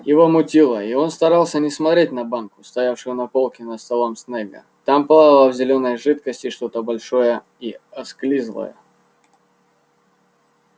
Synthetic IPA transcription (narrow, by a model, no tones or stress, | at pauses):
jɪvomʊtʲilˠəio̞nst̪ɐɾalˠsʲənʲɪsmɐt̪ɾʲet̚ʲnɐbankʊ̥st̪ɐjafʂɨjʊnɐpo̞lˠkʲɪnəst̪ɐlˠomsnʲeɡə̰ | t̪ampɐlˠad̪lˠəvzʲɪlʲo̞nːəjʐɨt̪kəsʲtʲɪʂt̪o̞t̪əbɐlʲʂo̞jə | iɐsklʲizlˠə̰jə̰